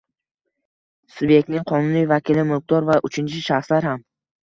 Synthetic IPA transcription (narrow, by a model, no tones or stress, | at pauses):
sʊbje̞k̚t̪nɪŋqʰɒnʊnijvakʲɪlɪmʊq̚d̪ɒɾvaʔʊt͡ʃʰɪnt͡ʃʰɪʃaχslaɾham